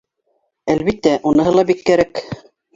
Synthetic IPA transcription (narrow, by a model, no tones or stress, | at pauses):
ælβit̪ːæʔunɤ̆ɦɤlˠɑbikːæɾæk